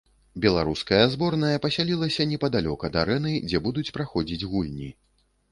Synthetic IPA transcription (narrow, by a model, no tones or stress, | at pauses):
bʲɛlˠaɾuskɐjɐzbɔrnɐjɐpɐsʲalʲilˠɐsʲɐnʲɛpɐd̪alʲɔkɐd̪aɾɛnɨd͡zʲɛbud̪ut͡sʲpɾaxɔd͡zʲid͡zʲɣulʲnʲi